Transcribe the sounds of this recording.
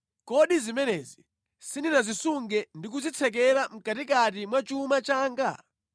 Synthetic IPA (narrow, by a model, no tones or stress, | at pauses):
kɔɗizimɛnɛzi | sininazisuŋɡɛndik̬uzit͡sʰɛk̬ɛɾam̩katikat̬imwat͡ʃumat͡ʃaːŋɡa̰